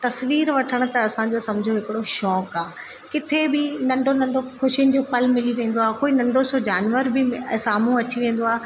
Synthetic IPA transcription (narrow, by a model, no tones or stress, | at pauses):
t̪ɐsʋiːɾʋɐʈʰəɽ̃t̪ɐɐsãd͡ʑoːsɐ̃md͡ʑʱoɦɪkɪɽoʃɔːkaː | kɪt̪ʰebɪnɐ̃ɳɖʱonɐ̃ɳɖokʊʃiənɪ̆d͡ʑoːpɐlmɪliʋẽːn̆d̪oaːkoːinɐ̃ɳɖʱosod͡ʑaːnʋəɾbɪsaːm̤ũɐt͡ɕiʋẽːn̆d̪oaː